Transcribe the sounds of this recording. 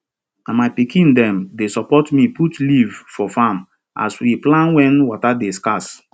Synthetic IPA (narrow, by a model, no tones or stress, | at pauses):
ãnmaɪpikĩndɛ̃mdesɔpɔtmiputlivfɔfam | ʔa̰swiplãnwɛ̃nwɔtadeskas